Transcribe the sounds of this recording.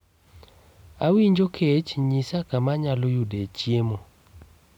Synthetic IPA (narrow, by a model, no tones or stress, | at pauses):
awiɲd͡ʒokʰet͡ʃɲisakamaɲalojudet͡ʃjemo